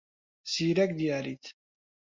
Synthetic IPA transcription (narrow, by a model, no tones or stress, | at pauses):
siɾæk̚d̪jæɾḭθ